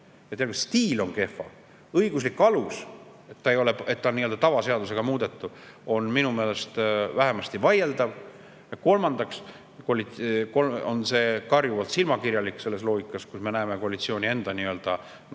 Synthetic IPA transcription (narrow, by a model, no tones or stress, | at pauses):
et̪elkust̪iːlo̞nke̞fːˑɑ̰ | ɤiɡ̥uslikːˑɑlus | e̞t̪ːɑejo̞leet̪ːɑniːø̞d̪ɑt̪ɑvɑse̞ɑd̪use̞ɡ̥ɑmuːd̪̥e̞t̪ːˑuo̞nminumeːle̞st̪væɦe̞mɑst̪ivɑje̞ld̪ɑv | jɑko̞lmɑnd̪̥ɑks | kolitko̞lo̞nse̞ːkɑrjuvɑlt̪silmɑkiɾjɑlikːse̞lːe̞slo̞ːɡikːˑɑskusme̞næːme̞koɑlit̪sio̞ːnʲie̞nd̪̥ɑniːø̞ld̪̥ɑ